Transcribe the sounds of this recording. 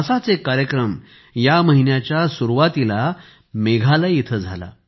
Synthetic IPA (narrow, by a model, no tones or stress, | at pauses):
əsat͡sekaɾjəkɾəm | jaməɦinjat͡ɕjasuɾuʋat̪ila | meɡʱaləit̪ʰəd͡zʱa̰la̰